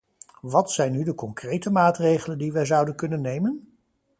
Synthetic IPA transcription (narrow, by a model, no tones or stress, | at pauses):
ʋɑtsɛjnːydəkɔŋkrejtəmaːtrejχələndiʋɛjzʌwdənkɵnənːejmən